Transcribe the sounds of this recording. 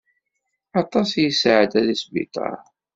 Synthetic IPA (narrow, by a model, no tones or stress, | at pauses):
ɑt̪ˤɑsjəsʕəd̪æðisbḭt̪ˤɑ̰ɾ